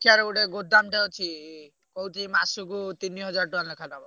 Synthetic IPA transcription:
kʰaɾɔɡuɽeɡod̪amʈeɔt͡ʃʰi | kɔɦut̪ʰimasukut̪iniɦɔd͡ʒaɾʈuanlekʰanabɔ

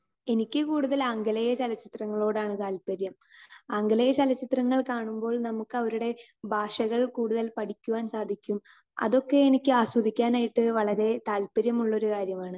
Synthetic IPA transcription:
e̞nikʲːɨkuːɽuðɐlɐŋɡɐlɐjɐt͡ɕɐlɐt͡ɕːit̪rɐŋːɐɭo̞ːɽaːɳɨt̪aːlpɐɾjɐm | ɐŋɡɐlɐjɐt͡ɕɐlɐt͡ɕːit̪rɐŋːɐɭkaːɳumbo̞ːɭnɐmukːɨɐʋɐɾuɽe̞bʱaːʂɐɣɐɭkuːɽuðɐlpɐʈʰikʲːuʋaːnsaːd̪ʱikʲːum | ɐ̰ðo̞kːe̞enikʲːɨaːswɐd̪ʱikʲːaːnaːjiʈːɨʋɐɭɐɾe̞t̪aːlpɐɾjɐmuɭːo̞ɾukaːɾjɐmaːɳɨ

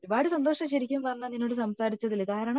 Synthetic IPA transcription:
ɾubaːɽɨsɐnd̪o̞ːʂɐmɕɐɾikʲːumʋɐnːɐninːoːɽɨsɐmsaːɾit͡ɕːɐðilkaːɾɐɳɐ

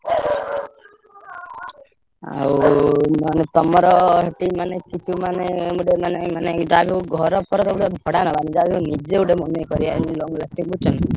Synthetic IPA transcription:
a̰w | anet̪ɔmɔɾɔɦeʈimanekit͡ʃʰumaneuɖemanemaned͡ʒabʱiuɡʱɔɾɔpɔɾɔt̪ɔuɽebʱɔɽanɔbanid͡ʒabʱiunid͡ʒeuɖemɔnekɔɾianlɔŋɡlasʈiŋbʱut͡ʃʰɔna

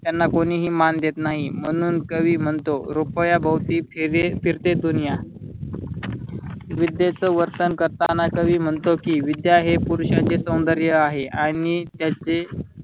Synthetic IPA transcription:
t̪janːakoniːɦiːmand̪jet̪naɦim̤əɽ̃uːnkəʋiːm̤əɳt̪oɾupəjabəwt̪iːfiɾt̪ed̪unija | ʋid̪jet͡səʋəɾt̪ənkəɾt̪anakəʋiːm̤əɳt̪okiːʋid̪jaɦepuɾɕat͡ɕesəw̃nd̪əɾjəaɦeʔanit̪jat͡se

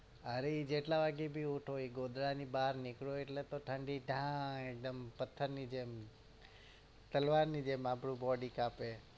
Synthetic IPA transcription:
əɾeid͡ʒeʈlaʋaɡebʱiuʈʰoiɡod̪ɾanibaɾnɪkɭoeʈlet̪oʈʰəɳɖiɖʱãek̚d̪əmpət̪ʰːəɾnid͡ʒem | t̪əlʋaɾnid͡ʒemapɽũbɔɖikape

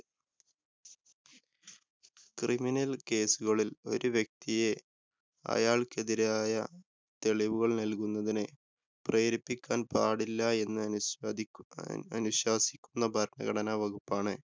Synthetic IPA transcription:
kriminɐlke̞ːsuɣɐɭilo̞̰ɾuʋjɐk̚t̪ije̞ | ɐ̰jaːɭke̞ðiɾaːjɐ | t̪e̞ɭiʋuɣɐɭnɐlkunːɐðinɨ | preːɾipːikʲːaːnpaːɽilːɐe̞nːɨɐ | ɐ̰nuɕwaːsi̥kʲːunːɐbʱɐɾɳɐ̰ɣɐɽɐnaʋɐɣupːaːɳɨ

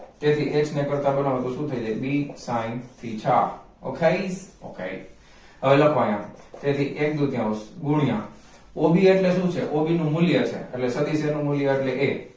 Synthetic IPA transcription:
t̪et̪ʰiʔet͡ʃʰnekəɾt̪apɛlamãt̪oʃũt̪ʰəid͡ʒəibisãint̪ʰit͡ʃʰa | o̰kʰeiso̰kʰḛi | əʋeləkʰʋãjãt̪et̪ʰiʔek̚d̪ud̪ʱjãosɡʊɽ̃ijã̰ | obʱieʈleʃũt͡ʃʰeʔobʱinũmʊljət͡ʃʰḛḛʈlesəd̪isenũmʊljəeʈleʔe

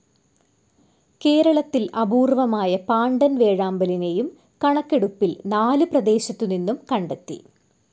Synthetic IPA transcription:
ke̞ːɾɐɭɐt̪ːilʔɐbuːrʋɐmaːjɐpaːɳɖɐnʋe̞ːɻaːmbɐline̞jum | kɐɳɐkːe̞ɽupːilnaːluprɐd̪e̞ːɕɐt̪ːuninːumkɐɳɖet̪ːḭ

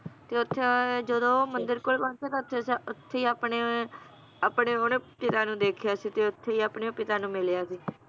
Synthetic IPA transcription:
t̪eːʊt̪ʰːeːd͡ʒəd̪õːmənd̪əɾkʊlbãːt͡ʃeːt̪ãːʊt̪ʰːesʊt̪ʰːeːiːaːpɳe | aːpɳeːoːnepɪt̪aːnũːd̪eːkʰjaːsiːt̪eːʊt̪ʰːeːiːaːpɳeːõːpɪt̪aːnũːmɪljaːsiː

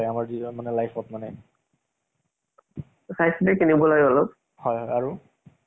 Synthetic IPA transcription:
jamaɹdimanɛlajpʰɔtmanɛ | sajsidɛkinibɔlajɔlɔb | hɔjɦɔjaɹu

